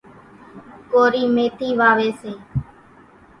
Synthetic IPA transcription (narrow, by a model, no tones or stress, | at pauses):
koːɾiːmeːt̪iːʋaːʋeːseː